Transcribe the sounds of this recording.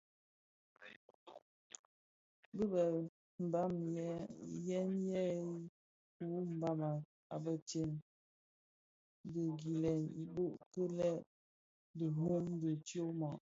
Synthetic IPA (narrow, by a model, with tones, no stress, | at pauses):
bə˦bə˨ | m̩˨ba˦mjɛ˦jɛ˦njɛ˦ | ku˨˦m̩˨ba˦ma˨ | a̰˨bə˨te˨n | də˨ɡi˨lɛ˨ni˨bo˦ʔpə˦lɛ˦˨ʔ | də˨ɦu˦mdə˨t͡ʃjo˦mɔ˨ʔ